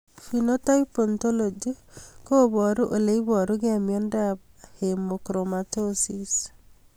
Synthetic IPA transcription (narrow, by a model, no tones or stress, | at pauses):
finotajpontolod͡ʒikobɔɾuʔoleibɔɾuɡɪamjɔnda | hemokɾomatosis